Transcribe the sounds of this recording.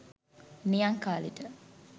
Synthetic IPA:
nijɐŋkaːlḭʈə

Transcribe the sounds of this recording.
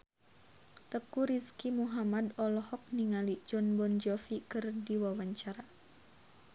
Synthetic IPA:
t̪əkuɾiskimuɦamadɔlɔhɔk̚niŋalid͡ʒɔnbɔnd͡ʒɔfikɨrdiwawaɲt͡ʃaɾa

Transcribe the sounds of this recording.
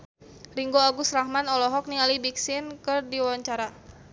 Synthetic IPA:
riŋɡoaɡʊst̪rahmanɔlɔɦɔk̚nialibiksɪnkɨrdiwaɲt͡ʃaɾa

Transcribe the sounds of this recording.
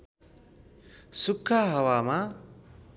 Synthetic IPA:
sukʰːaɦɐwaːma

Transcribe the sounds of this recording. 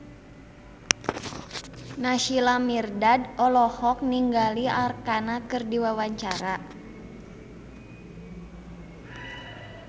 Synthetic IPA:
naʃilamirdadɔlɔhɔk̚niŋɡaliarkanakɨrdiwawaɲt͡ʃaɾa

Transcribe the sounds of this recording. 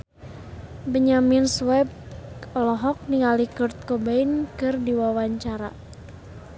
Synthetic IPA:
bəɲaminswɛb̚ | lɔɦɔk̚niŋalikɔrt̪̚kɔbainkɨrdiwawaɲt͡ʃaɾa

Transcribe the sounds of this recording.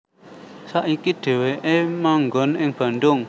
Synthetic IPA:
saʔikiɖ̪̥e̤weʔemaŋɡɔnɪŋb̥ä̤nd̪ʊŋ

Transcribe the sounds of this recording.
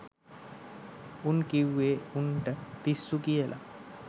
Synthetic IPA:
unkiwːeuɳʈət̪isːukijəlʔa̰

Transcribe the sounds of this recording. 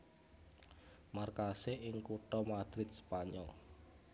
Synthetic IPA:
markaseʔɪŋkuʈɔmad̪̥ɾɪt̪̚spaɲɔ̰l

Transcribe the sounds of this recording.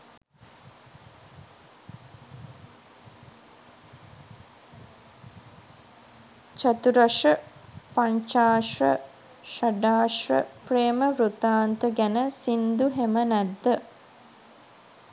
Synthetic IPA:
t͡ʃat̪uɾaʂəpaɲt͡ʃaːʂrə̰ | ʃaɖaːʂrə̰preːməʋɾut̪aːnt̪əɡænəsind̪uɦemənæd̪ːə

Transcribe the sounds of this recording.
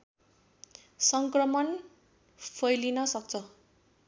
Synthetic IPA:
sʌŋkrʌmʌn | pʰʌjlinʌsʌk̚t͡sʰʌ

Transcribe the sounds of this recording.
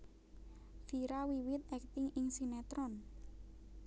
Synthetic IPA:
fiɾawiwɪt̪̚ɛk̚t̪ɪŋɪŋsinɛt̪ɾɔn

